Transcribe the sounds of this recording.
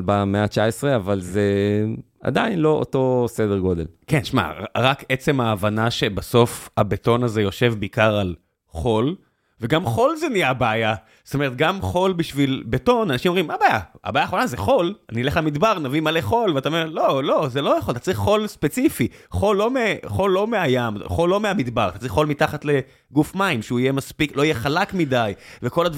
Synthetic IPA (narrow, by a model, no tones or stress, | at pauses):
lbameat͡ʃaesʁeavalze | a̰d̪ainlo̞o̰to̞sedeʁɡo̞d̪elkenʃma̰aʁaket͡se̞maːvanaʃe̞baso̞fabeto̞naze̞jo̞ʃe̞vbeikaʁal | χo̞l | ve̞ɡamχo̞lzenijabaːja | zso̥tome̞ʁet̪̚ɡamχo̞lbiʃvilbeto̞nanaʃimomʁimːabaːjaa̰baːjaːχonazeχo̞lanileχamid̪baʁnavimaleχo̞lveat̪aome̞ʁlo̞lo̞zelo̞jaχolt̪ḁt͡saʁiχːo̞lspet͡sifiχo̞lːo̞meχo̞lːo̞meajamχo̞lːo̞meamid̪baʁat̪ḁt͡saʁiχːo̞lmit̪aχatle̞ | ɡufmaimʃeuijemaspiklo̞ijeχalakmidajveko̞lad̪